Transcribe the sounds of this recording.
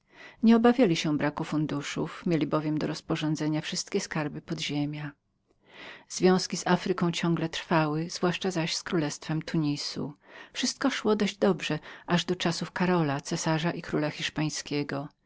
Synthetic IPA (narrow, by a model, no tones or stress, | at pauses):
ɲɛɔbavʲjalʲiɕɛbɾakufund̪uʂufmʲjelʲibɔvʲjɛmd̪ɔɾɔspɔʐɔ̃nd̪zɛɲafʂɘst̪kʲɛskaɾbɘpɔd̪ʑemʲja | z̥vʲjɔ̃w̃skʲizafɾɘkɔ̃w̃t͡ɕɔ̃ŋɡlɛt̪ɾfawɘzvwaʂt͡ʂazaɕskɾulɛst̪fɛmt̪ʰuɲisṵfʂɘst̪̚kɔʂwɔd̪ɔʑd͡ʑd̪ɔbʐɛʔaʐd̪ɔt͡ʂasufkaɾɔlat̪sɛsaʐaʔikɾulaxʲiʂpaj̃skʲɛɡɔ